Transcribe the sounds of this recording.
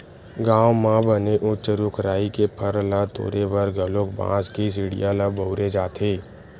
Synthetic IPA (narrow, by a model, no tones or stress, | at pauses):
ɡãːwmãbəneʔʊt͡ʃəɾʊkʰɾaːikepʰəɾlat̪o̰ːɾebəɾɡʱəlokbã̰ːd͡ʒkis̬ɪɽḭjaːlabəʊɾed͡ʒaːt̪ʰeː